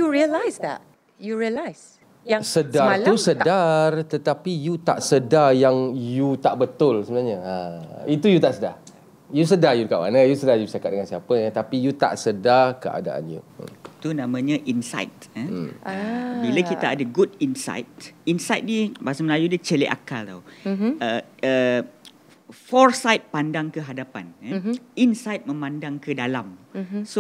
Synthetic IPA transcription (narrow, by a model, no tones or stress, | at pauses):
juɹiəlajsdɛ̰t̚ | juɹiəlajs | jasədat̪ussədart̪ət̪apijut̪a̰ʔsədajaŋjut̪aʔbət̪ʊlsəbənalɲəait̪ujut̪aʔsəda̰r | jus̬ədajudəkaʔwa̰nəjusədajusaka̰t̪̚dəŋansiapət̪apijut̪a̰ʔsədarkəʔa̰da̰ʔa̰njṵə̰t̪unãmãɲãʔinsa̰jt̪̚ə | biləkit̪aadəɡudinsa̰jt̪̚insajt̪̚dibasəməlajudət͡ʃəlɛʔa̰kalt̪awəə | fɔrsajt̪̚pandaŋkəɦadapaninsajt̪̚mə̃mãndaŋkədalamso